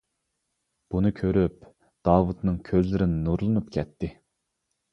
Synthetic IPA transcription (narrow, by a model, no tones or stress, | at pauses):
b̥unɨkʲʰøɾyp̚ | d̪̥ɑːwut̪nɨŋkʲʰøzlɪɾɪnɪnuɾlˠɨnup̚kʲʰɛt̪ʰːɪ